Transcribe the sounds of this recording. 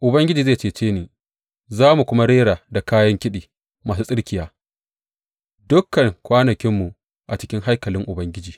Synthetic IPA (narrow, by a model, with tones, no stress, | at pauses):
ʔʊ˨bɐ˦ŋɡʲɪ˦d͡ʒiː˨zeː˦˨t͡ʃeː˨t͡ʃeː˦niː˨ | zaː˦mu˨kʷʊ˦ma˦ɽeː˦ɽaː˨da˨kaː˦jɐ˦ŋkʲɪ˦ɗiː˨ | maː˨s̬uː˦sʼɪ˦ɽkʲɪ˨jaː˦ | dʊ˦kːɐ˨ŋkʷaː˦nɐ˨kʲɪ˦mːu˨ | ʔa˨t͡ʃɪ̥˦kʲɪ˦ŋɦa˦jkɐ˨lɪ˦ŋʔʊ˨bɐ˦ŋɡʲɪ˦d͡ʒiː˨